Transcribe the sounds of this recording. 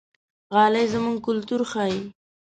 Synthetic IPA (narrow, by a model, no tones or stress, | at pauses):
ɣɑlajzəmuŋɡ̚kʊlt̪uɾxɑi